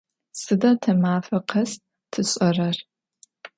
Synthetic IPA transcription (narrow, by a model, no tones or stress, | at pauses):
sɨdaːtʰɐmaːfɐqʰɐs | tʰɨɕʼɐrɐr